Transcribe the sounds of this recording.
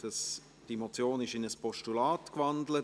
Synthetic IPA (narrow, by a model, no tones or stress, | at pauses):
d̥ɑs | d̥iemot͡sjoːnɪʃɪnəspɔʃtulaːtkvɑndlə